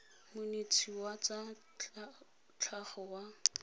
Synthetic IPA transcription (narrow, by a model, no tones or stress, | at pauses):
mʊnet͡sʰiwat͡sa | t͡ɬʰaχɔwa